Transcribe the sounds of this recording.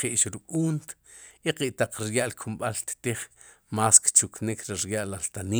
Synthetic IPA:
qiʔʃɾukʼuːnt̪ | iqiʔt̪aq͡χɾjaʔlkʰumɓalt̪t̪iχ | maːskt͡ʃuknikʰɾiɾjaʔlalt̪aniː

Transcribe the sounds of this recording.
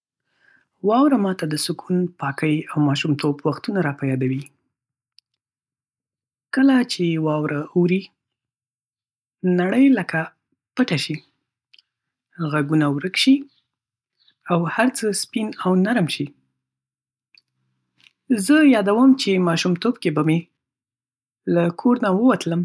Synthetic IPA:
wɑwɾamɑt̪ad̪əsʊkʰunpɑkəjawmɑʃumt̪obwaxt̪unaɾɑpajɑd̪awi | kəlat͡ʃewɑwɾauɾi | naɽəjləka | pəʈaʃi | ɣaɡunawɾəkʃi | awhaɾt͡səspinawnaɾmʃi | zəjɑd̪awəmt͡ʃemɑʃumt̪obkebame | lakʰoɾnawəwat̪ləm

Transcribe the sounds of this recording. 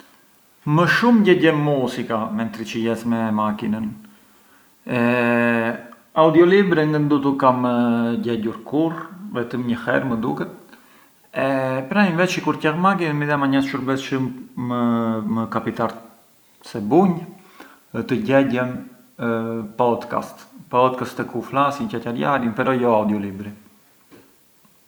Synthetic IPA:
məʃumɟɛɟɛmːusikamɛnt̪ɾit͡ʃəjɛsmɛmakinən | ɛ | aud̪iɔlibɾɛŋɡənd̪ut̪ukaməɟɛɟuɾkuɾvɛt̪əmɲəhɛ̰ɾməd̪ukɛt̪̚ | ɛpɾavɛt͡ʃikuɾcɛhmaɡimiðɛmaɲasʃuɾbɛsʃəmːəməkapit̪aɾ | sɛbuɲ | t̪əɟɛɟɛn | pɔd̪ka̰st̪pɔd̪̚kast̪ɛkuflasincacaɾja̰ɾjənpɛɾɔjɔaud̪jɔlibɾi

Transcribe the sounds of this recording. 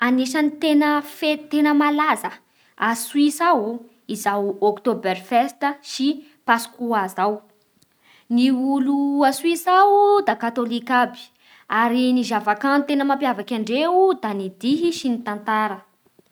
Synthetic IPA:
aniʃanit̪enəfet̪enəmalazə | aswisawu | izawokt̪oberfɛst̪əʃi | pasu̥kuazaw | niuluaswisawd̪akat̪olikabi̥ | aɾinizavakant̪enəmampjavakʲaɳɖ͡ʐeud̪anid̪iɦiʃinit̪ant̪aɾə

